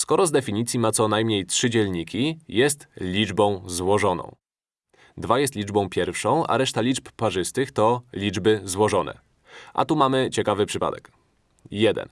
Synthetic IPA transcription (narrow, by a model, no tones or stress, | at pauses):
skɔɾɔzd̪ɛfʲiɲit̪sʲjimat̪sɔnajmɲejtʂɘd͡ʑɛlɲikʲijɛst̪lʲid͡ʐbɔ̃w̃zwɔʐɔnɔ̰̃w̃ | d̪vajɛst̪lʲid͡ʐbɔ̃w̃pʲjɛɾfʂɔ̃w̃a̰ɾɛʂt̪alʲit͡ʂppaʐɘst̪ɘxt̪ɔlʲid͡ʐbɘzwɔʐɔnɛ̰ | ʔa̰t̪umamɘt͡ɕɛkavɘpʂɘpa̰d̪ɛ̰k | jɛd̪ɛ̰n